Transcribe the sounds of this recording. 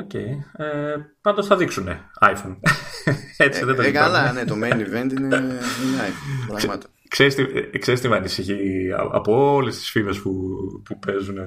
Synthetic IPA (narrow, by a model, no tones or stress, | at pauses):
o̞ce̞̰jepɐnd̪o̞sθɐðiksune̞ɐjfon | et͡siðed̪ɐiɐlanet̪omenivent̪ineineɐjomɐt̪o | ksest̪ieksest̪imɐːnisiçiɐ̰ɐ̰poole̞st̪i̥sfive̞spupupe̞zune